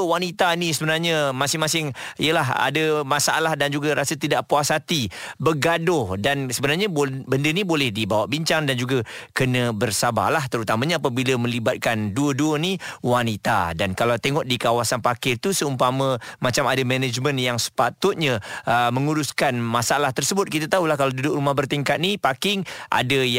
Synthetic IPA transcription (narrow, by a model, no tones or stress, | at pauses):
wanit̪anisəbənarɲəmasɪŋmasɪŋijəlaɦa̰dəmasaʔa̰lahdand͡ʒuɡaɾasət̪idaʔpuasat̪ibəɡadʊhdansəbənarɲəbobəndənibolɛhdibawaʔbiɲt͡ʃaŋdand͡ʒuɡakənə̃bərsaba̰laht̪əɾut̪amãɲəap̬abiləmə̃libat̪̚kanduəduəniwanit̪a̰dankalawt̪eŋɔʔ̚dikawasanpakɪt̪usəumpamãmat͡ʃamadamɛnəd͡ʒmə̃njaŋsə̥pat̪ʊt̪̚ɲaəmə̃ŋuɾuskanmasaalaht̪ərsəbʊt̪̚kit̪at̪aulahkalawdudʊk̚rumahbərt̪iŋkat̪̚nipakɪŋʔa̰dəj